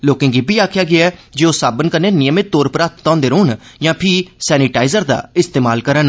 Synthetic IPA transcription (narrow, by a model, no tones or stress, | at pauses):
loːkɪ̃ŋɡibʱiːaːkʰjaːɡɪaɛːd͡ʒeːoːsaːbənkəneːnɪjəmet̪oːɾpɾaːt̪t̪ɔ̃ːnd̪eːɾoːnjãːpʰɪsɛːnɪʈaːɪzəɾd̪a̰ːɪst̪eːmaːlkəɾən